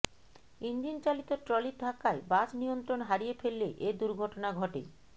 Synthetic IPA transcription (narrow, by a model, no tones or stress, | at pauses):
ind͡ʑint͡ɕalit̪oʈɾɔliɾd̪ʱakːaebad͡ʑnijont̪ɾonɦaɾijefʰelːeʔed̪uɾɡʱɔʈonaɡʱɔʈḛ